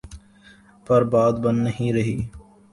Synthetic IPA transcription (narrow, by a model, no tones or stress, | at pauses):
pɐɾbaːd̪bɐnːəɦĩɾɐɦiː